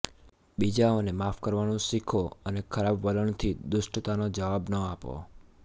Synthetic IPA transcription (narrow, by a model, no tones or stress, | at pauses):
bid͡ʒaonemafkəɾʋañũsikʰoənekʰəɾabʋələɳt̪ʰid̪ʊʃʈt̪anod͡ʒəʋabnəapo̰